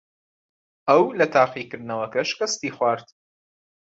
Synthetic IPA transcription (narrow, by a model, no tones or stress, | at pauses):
ɐwlɐt̪ʰaːqiːkɨɾd̪nɐwɐkɐʃkɐst̪iːxwʷaːɾt̪